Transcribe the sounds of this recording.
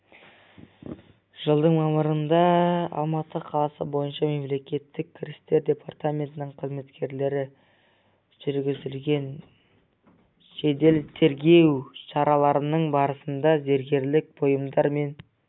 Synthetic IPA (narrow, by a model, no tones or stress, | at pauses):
ʒ̥əlˠd̪əɴmɑməɾənd̪ɑɑ̰lˠmɑt̪əqʰɑlˠɑsə̰bo̞jənʃɑme̞mle̞kʲe̞t̪ːɪk̚ʲkʲʰːɪɾʲɪst̪e̞ɾd̪ʲe̞pʰart̪amʲe̞nt̪ɪnɪŋɴqʰəzme̞t̪kʲʰe̞ɾle̞ɾɪ | ʒ̥ʏɾɡʲɪzɪlɡʲe̞n | ʃe̞d̪e̞lt̪ʰe̞ɾɡʲe̞wʃɑɾɑlˠɑɾənəɴbɑɾəsənd̪ɑze̞ɾɡʲe̞ɾlɪk̚bʰo̞jəmd̪ɑɾme̞n